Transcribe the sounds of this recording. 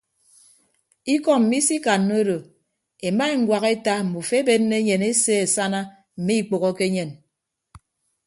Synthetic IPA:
i˦kɔ˦m̩˨mi˦si˦ka˨nːo˦ɾo˨ | e˨ma˦e˦ŋ̩˦ɡwʷa˨ɣe˦ta˦m̩˨mu˨fe˦be˦nːe˦ɲe˨ne˦se˦e˨sa˦na˦ | m̩˨mi˦i˦˨k͡po˨ɣɔ˦ke˦ɲe˨n

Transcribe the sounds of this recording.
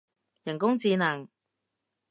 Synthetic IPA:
jɐ˨˩nkʊ˥ŋt͡siː˧naː˨˩ŋ

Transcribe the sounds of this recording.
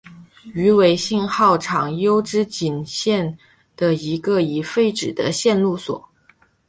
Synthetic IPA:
y˧˥we˧˥ɪɕi˥˧nxɑ˥˩ʊʈ͡ʂʰɑ˨˩ŋjo˥ʊʈ͡ʂɻ̩˥t͡ɕi˨˩nɕjɛ˥˩n | d̪̥ə˩i˧˥ɡə˧i˨˩fe˥˧ɪʈ͡ʂɻ̩˨˩d̪ə̰˦ɕjɛ˥˧nlu˥˩swɔ̰˨˩˦

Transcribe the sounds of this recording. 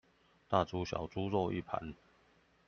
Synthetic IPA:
t̪a˥˨˩t͡su˦ɕjɑ̰˨˩ʊt͡su˦lɔ˥˧ḭ˥˨pʰa̰˨˦n

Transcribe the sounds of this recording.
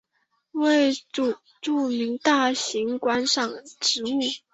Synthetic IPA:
we˥˩ɪ˨˩ | ʈ͡ʂu˥˩mi˧˥ŋt̪a˥˩ɕi˧˥ŋkwa˥nʂɑ˥˩ŋʈ͡ʂɻ̩˧˥u˥˩

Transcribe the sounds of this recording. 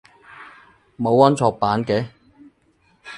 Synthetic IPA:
mo˨˧wɐ˥nt͡sʰɔː˧k̚paː˨˥nkɛː˨˥

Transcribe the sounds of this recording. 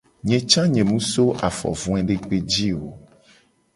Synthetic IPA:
ɲɛ̃˨t͡ʃã˦ɲɛ̃˨mũ˦so˦ʔa˨fɔ̰˨vũ˦ɛ̃˦ɖe˦k͡pe˦d͡ʑi˦o˨

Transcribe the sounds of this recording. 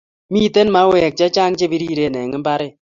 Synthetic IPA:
mi˦te˦nma˦wɛ˨k̚t͡ʃa˦t͡ʃa˦ŋt͡ʃe˦bi˦ɾi˦ɾe˨nɛ˨ŋɪ˦mba˦ɾɪ˦

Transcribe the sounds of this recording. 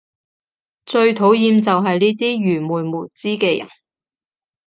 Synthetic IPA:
t͡ʃɵ˧ɥt̪ʰo˨˥wjiː˧mt͡sɐ˨wɦɐ˨jniː˥t̪iː˥ɥyː˨˩muː˨˩jmuː˨˩t͡siː˥kɛː˧jɐ̰˨˩n

